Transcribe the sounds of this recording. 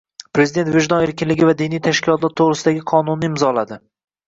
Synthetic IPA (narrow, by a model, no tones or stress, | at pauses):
pɾe̞zɪd̪et̪veʒnɒe̞ɾkʲɪnlɪɡʲɪvad̪inijt̪ʰaʃkʲɪlɒt̪laɾt̪ʰoʁɾɪsɪd̪aɡʲɪqʰɒnʊnːɪɪmzɒlad̪ɪ